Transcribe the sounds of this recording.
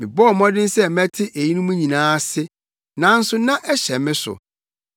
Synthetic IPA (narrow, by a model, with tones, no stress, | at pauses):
mɪ̰̃˨bɔ˦˨mɔ̃˦dɪ̃˦n˦sɛ˦mɛ̃˦tʰɪ˦ʔe˨ji˦nũ˦mũ˦ɲĩ˨nãː˦sɪ˦ | nã˨n̩˦sʊ˦nã˦ʔɛ˦ɕɛ˨mɪ̃˦sʊ̰˨